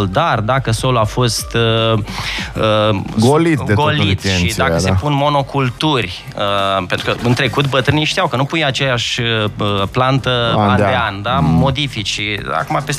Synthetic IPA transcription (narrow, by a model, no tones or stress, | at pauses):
ld̪ard̪akəso̞luafo̞st̪ | əɡolit̪d̪etɡolit̪eʃʃid̪akəsepunmo̞no̞kult̪urʲ | əpent̪ɾukəɨnt̪ɾe̞kut̪bət̪ɾɨniʃt̪ijawkənupujat͡ʃeljaʃəplant̪əand̪eand̪amo̞d̪ifit͡ʃia̰kumapes